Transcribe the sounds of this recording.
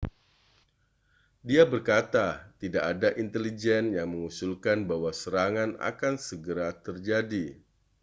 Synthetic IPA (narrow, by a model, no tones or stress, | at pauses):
diabərkat̪at̪idaʔadaʔint̪elid͡ʒɛnjaŋməŋusulkanbaɦwasəɾaŋana̰kansəɡəɾat̪ərd͡ʒadi